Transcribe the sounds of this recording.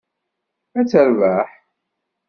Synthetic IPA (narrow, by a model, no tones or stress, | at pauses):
æt͡sːəɾvæħ